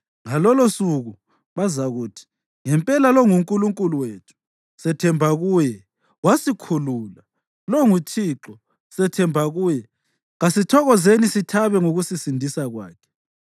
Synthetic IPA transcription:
ŋalɔlosuɣu | βazaɣuːtʰi̥ | ŋɛmpʼɛlalɔŋuŋkʼuluŋkʼuluwetʰu̥ | sɛtʰɛmbʱaɣuːjɛ | wasikʰuluːla | loŋut͡ʃʰiːǁɔ | sɛtʰɛmbʱaɣuːjɛ | ɣasitʰɔɣɔzenisitʰaβɛŋoɣusisindʱisaɣwa̰ːkʰɛ̥

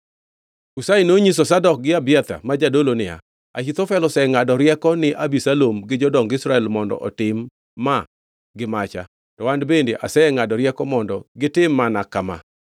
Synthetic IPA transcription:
usainoɲis̬ɔsadɔk̚ɡɪabɪat̪a̰mad͡ʒadolonɪa̰ | a̰hit̪ɔfɛlɔsɛɛŋadɔɾjɛkɔnɪʔabisalomɡɪd͡ʒɔdɔŋɡɪsɾaɛlmɔndɔ̰ʔɔ̰tɪmː | a | ɡɪmat͡ʃa̰ | tɔwandbendeʔa̰sɛɛŋadɔɾjɛkɔmɔndɔ̰ɡɪtɪmːanakama̰

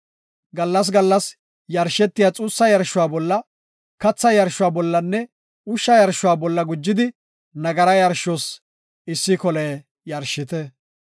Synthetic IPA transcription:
ɡɐlːɐs̬ɡɐlːɐs | jɐɾʃɛt̪ːɪjat͡sʼuːsːɐjɐɾʃːʊwaːbɔlːɐ | kɐt͡sːɐjɐɾʃːʊwaːbɔlːɐnːɛ | ʊʃːɐjɐɾʃʊwaːbɔlːɐɡʊd͡ʒːɪd̪ɪ | nɐɡɐɾɐjɐɾʃɔs | ɪsːɪkɔleː | jɐɾʃːɪt̪ɛ

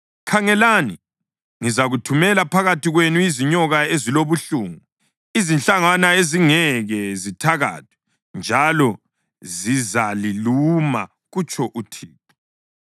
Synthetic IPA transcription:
kʰaŋɛlani | ŋizaɣutʰumɛlapʰaɣatʰiɣwenuiziɲɔɣaeziloβuɬuːŋu | izint͡ɬaŋanaeziŋɛɣɛzitʰaɣa̰ːd̥̚ʰʱwɛ̥ | nd͡ʒʱalɔ | zizaliluma | ɣut͡ʃʼʰɔʔutʰiːp̚ḁ

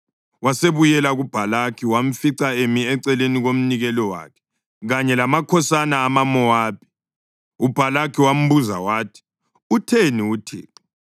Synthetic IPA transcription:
waseβujɛlaɣub̥ʱalakʰiwam̩fiǀaemiɛǀɛleniɣom̩niɣɛlɔwa̰ːkʰɛ̥ | ɣaɲɛlamakʰɔsanaːmamɔwaːpʰi̥ | ub̥ʱalakʰiwam̩buza̰waːtʰi̥ | utʰeniutʰḛːǁi̥

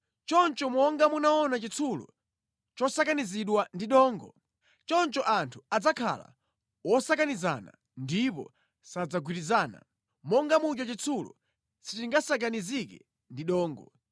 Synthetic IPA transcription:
t͡ʃɔnt͡ʃɔmɔŋɡamunaɔnat͡ʃit͡sʰulɔ̰ | t͡ʃɔsakaniziɗwandiɗɔːŋɡɔ | t͡ʃɔnt͡ʃɔʔantʰu̥ad͡zakʰa̰la̰ | wɔsakaniza̰na̰ | ndipɔ̰ | sad͡zaɡwiɾizaːna̰ | mɔŋɡamut͡ʃɔt͡ʃit͡sʰulɔ̰ | sitiŋɡasak̬anizikɛ̰ | ndiɗɔːŋɡɔ

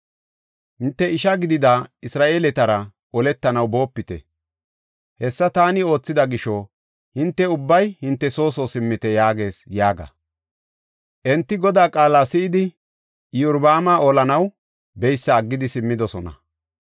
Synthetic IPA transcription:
hɪnt̪ːɛɪʃɐɡɪd̪ɪd̪ɐɪsɾaːʔe̞ːlɛt̪ɐɾɐ | ʔɔlɛt̪ːɐnɐwbo̞ːpːɪt̪ɛ̰ | hɛsːɐt̪aːnɪo̞ːt͡sːɪd̪ɐɡɪʃɔ | hɪnt̪ːɛʊbːɐjhɪnt̪ːɛso̞ːsosɪmːɪt̪ɛjaːɡe̞ːsjaːɡɐ̰ | ʔɛnt̪ːɪɡɔd̪aːkʼaːlaːsɪʔɪd̪ɪ | ɪʊɾbaːmaːʔɔlɐnɐw | bɛjsːɐːɡːɪd̪ɪsɪmːɪd̪ɔsɔnɐ̰

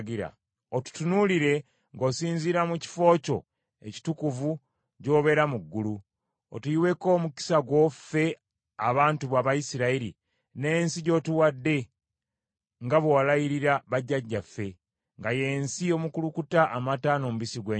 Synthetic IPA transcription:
ɡiɾa̰ | otu̥tunuliɾe̞ | ŋɡo̞ːsiːnziːɾamuci̥fo̞ːco̞̰ | e̞̰ci̥tukuvu | ɟo̞ːβe̞ɾamuɡːulu | o̰tuiwe̞ko̞ːmuki̥saɡwo̞fe̞ | aβaːntuβwaβajisiɾaiɾḭ | ne̞ːnsiɟo̞ːtuwadːe̞ | ŋɡaβowalajiɾiɾaβaɟːaɟːafːe̞ | ŋɡaje̞ːnsio̞mukulukutaʔːmataːno̞muβisiɡwe

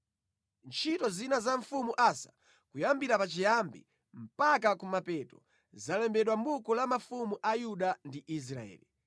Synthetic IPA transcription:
nt͡ʃʰitɔzinazaɱfumuʔasḁ | kujambiɾapat͡ʃijambḭ | m̩pak̬akumapɛtɔ | zalɛmbɛɗwambukɔlamafumuʔajuɗandiʔis̬ɾaɛ̰ːli

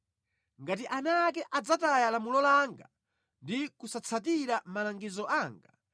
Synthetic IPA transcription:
ŋɡat̬iʔanak̬ɛʔad͡zatajalamulɔlaŋɡa̰ | ndikusat͡sʰatiɾamalaŋɡizɔʔaːŋɡa

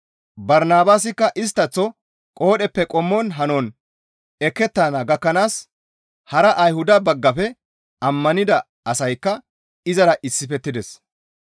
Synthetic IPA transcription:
bɐɾnaːbaːs̬ɪkːɐʔɪs̬t̪ːɐt͡sːɔ | kʼo̞ːɗɛpːɛkʼɔmːɔnɦɐnɔn | ɛkːɛt̪ːɐnɐɡɐkːɐnaːs | hɐɾɐʔɐjhʊd̪ɐbɐɡːɐfɛ | ɐmːɐnɪd̪ɐ | ɐsɐjkːɐ | ɪzɐɾɐʔɪsːɪfɛt̪ːɪd̪ɛs

